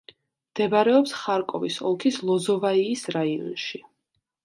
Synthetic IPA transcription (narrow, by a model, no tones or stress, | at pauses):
md̪̥ɛbaɾɛɔpsχaɾkʼɔvisɔlˠkʰislˠɔzɔvaiːsɾaiɔ̰nʃi